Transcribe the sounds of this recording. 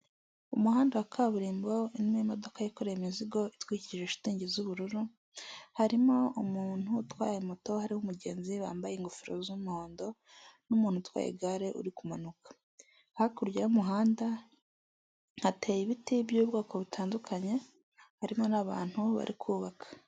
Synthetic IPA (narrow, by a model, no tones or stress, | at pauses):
umuhaːndawakʰaβuɾiːmbo̞inːmiimo̞do̞kajikoɾejiminziɡo̞itwiːciiʒeʃi̥tiːɲɟezuβuɾuɾu | haɾimo̞umuːn̥hutwaːjemuto̞haɾihumuɟe̞̰ːnziβa̰ːmbajeːŋɡufiɾo̰zumuho̞ːndo̞ | numuːnhutwa̰ːjḛɡaɾe̞ʔṵɾikumanukḁ | hakuɾjaumuɦaːnda | hateːjiβitibjuːβɡaːkoβitʰaːndukʰaɲe̞ | haɾimo̞naβa̰ːn̥huβa̰ɾʔikʰuːβakḁ